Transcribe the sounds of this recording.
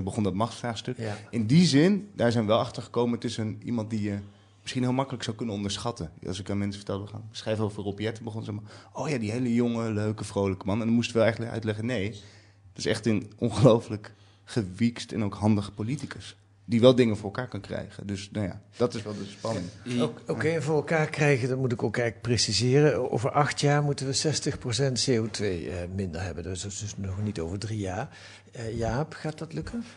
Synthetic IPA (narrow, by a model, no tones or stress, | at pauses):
bəχɔndɑtmɑχtfraːχstɵkɪndizɪndaːɹzɛjnʋəʋɛlˠɑχtəɹχə̥kowməətɪsənḭmɑntdijə | mɪsχinɦɪːlˠmɑkələksawkɵnənɔ̃ndəɹsχɑtənɑ̰lˠsɪkanmɛnsə̥fə̥tɛlˠbəχansχrɛjffəropiɛtənbəχɔnsɛmaʔowjaːdiɦejləjoŋəløɥkəvrowləkəmɑnɛndɑmustʋɛlˠɛjəntləkœ̰ɥtlɛχənej | ətɪ̥sɛ̰χtənɔnχəlowflək | χəʋikstɛ̰nowkɦɑndəχpolitikəs | d̥iʋɛlˠdɪŋəvʊːɹɛlˠkaːɹkɑnkrɛ̰jχə̰ndøsnaja̰ːd̥ɑtɪsʋɛlˠdəspɑn | owkejɛnvʊːɹɛlˠkaːɹkrɛjɣədɑtmutɪkowkɛj̚presizɪːrənʔo̰wvəɹʔɑχtjaːɹmutənʋəsɛstəxprosɛntseotʋejmɪndə̰ɹɦɛbəndssdsnɔχnitowvəɹdrijaːɹ | jaːpχaːt̚dɑtlɵkən